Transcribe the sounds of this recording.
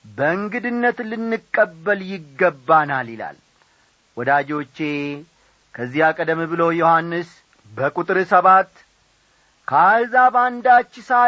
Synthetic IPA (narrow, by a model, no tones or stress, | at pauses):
bəɨŋɡɨd̪ɨnːət̪lɨnːɨkʼːəbːəljɪɡːəbːanalɪla̰l | wɔd̪ad͡ʒo̞t͡ʃːe̞ | kʰəzːihakʼəd̪əmibɨlo̞johanːɨs | bəkʼut̪ʼɨɾɨsəβat̪ | kʰazaband̪at͡ʃːɪsa